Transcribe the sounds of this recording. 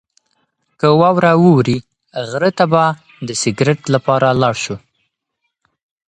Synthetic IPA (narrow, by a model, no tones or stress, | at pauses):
kəwɑwɾawəwɾi | ɣɾət̪aba | d̪əsɪɡɾɪʈlapɑɾalɑɽʃu